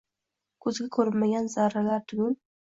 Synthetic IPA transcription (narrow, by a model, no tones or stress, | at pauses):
kʰɵzɡʲakʰɵɾɪlmaɡʲanzaɾalaɾt̪ʰʊɡʲʊn